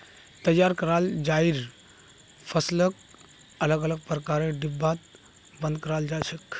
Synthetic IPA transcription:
t̪əjːaɾkəɾald͡ʒaiɾ | pʰəslək̚ | ələɡələɡ̚pɾəkaɾeɖibːat̪̚ | bə̃nd̪̚kəɾald͡ʒat͡ʃʰək

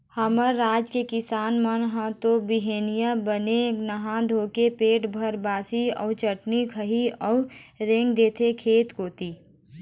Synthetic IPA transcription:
həməɾːaːd͡ʒkekɪsaːnmənɦə̃t̪obɪɦeːnijabənenəɦãd̪ʱoːkepeːʈbʱəɾbaːsiɔ̰ːt͡ʃəʈnikʰəɦiɔːʊɾẽŋɡd̪eːt̪ʰekʰeːt̪koːt̪iː

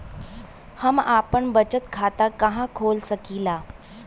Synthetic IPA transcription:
həmapəɳbət͡ɕət̪kʰat̪akəɦãkʰoːlsəkiːlaː

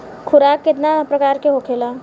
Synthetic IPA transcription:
kʰʊɾaːkːɪt̪napɾəkaːɾkeɦokʰeːla

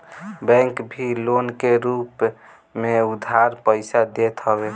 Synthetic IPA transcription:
bɛ̃ŋkbʱilonkeɾup | meud̪ʱaɾpəɪsad̪et̪ɦəbe

